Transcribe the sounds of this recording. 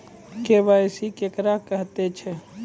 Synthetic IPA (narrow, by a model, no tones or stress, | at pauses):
kebasikekɾakəɦt̪et͡ʃʰɛ